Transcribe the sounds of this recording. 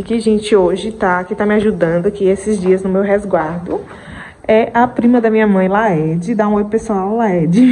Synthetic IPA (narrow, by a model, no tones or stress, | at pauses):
kɪʒẽt͡ʃɪoʒɪt̪akɪt̪amɪaʒud̪ɐ̃nd̪ʊakiesɪzd͡ʒiɐznʊmewɦɛzɡwaɾd̪ʊ | ɛʔɐpɾĩmɐd̪ɐmĩɲɐmɐ̃j̃laɛd͡ʒɪd̪aũojʊpesuawlaɛd͡ʒɪ